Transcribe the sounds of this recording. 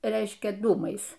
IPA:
ˈrʲɛɪʃʲkʲɛ ˈduːmɐɪs

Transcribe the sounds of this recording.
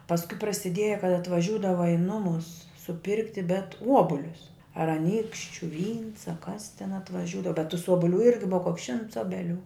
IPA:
pɐsˈkʊɪ prɐsʲɪˈdʲiɛjɛ kɐt ɐtʋɐˈʒʲuːdɐʋɐ ɪ ˈnʊmʊs sʊˈpʲɪrktʲɪ bʲɛt ˈuɔbʊlʲʊs ɐr ɐˈnʲiːkʃʲt͡ʃʲʊ ʋʲiːns ɐ kɐs tʲɛn ɐtʋɐˈʒʲuːdɐʋɐ bʲɛt tʊs ˈoːbʊˌlʲuː ˈɪrʲɡʲɪ ˈbʊʋɐ koːks ʃʲɪmts ˈoːbʲɛˌlʲuː

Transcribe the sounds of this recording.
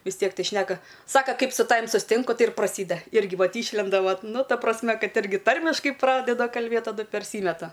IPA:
ʋʲɪs ˈtʲiɛk ˈtɐɪ ˈʃʲnʲæːkɐ ˈsɑːkɐ ˈkɐɪp sʊ ˈtɑːʋʲɪm sʊsʲˈtʲɪŋkʊ ˈtɐɪ ɪr prɐˈsʲiːdɐ ˈɪrʲɡʲɪ ˈʋɐt ˈiːʃʲlʲɛndɐ ˈʋɐt ˈnʊ ˈtɐ prɐsʲˈmʲɛ ˈkɐt ˈɪrʲɡʲɪ ˈtɐrʲmʲɪʃkɐɪ ˈprɑːdʲɛdɐ kɐlʲˈbʲeːt tɐˈdʊ pʲɛrʲˈsʲiːmʲɛtɐ

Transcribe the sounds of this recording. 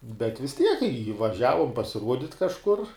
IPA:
bʲɛt ʋʲɪs ˈtʲiɛk ɪ ʋɐˈʒʲæːʋʊm pɐsʲɪˈruɔdʲɪtʲ kɐʃˈkʊr

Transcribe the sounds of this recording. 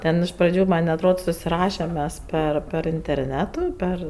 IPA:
ˈtʲɛn ɪʃ prɐˈd͡ʒʲuː mɐnʲ ɐtˈroːt sʊsʲɪˈrɑːʃʲɛm ˈmʲɛs ˈpʲɛr pʲɛr ɪnʲtʲɛrʲˈnʲæːtʊ ˈpʲɛr

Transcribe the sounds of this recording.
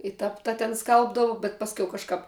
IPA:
ɪ ˈtɐp ˈtɐ tʲɛn ˈskɐlˠbdɐʋʊ bʲɛt ˈpɑːsʲˌkʲɛʊ ˈkɑːʃkɐp

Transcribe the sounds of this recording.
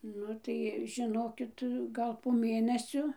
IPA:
ˈnʊ tɐɪ ʒʲɪˈnoːkʲɪt ˈɡɐlˠ poː ˈmʲeːnʲɛsʲoː

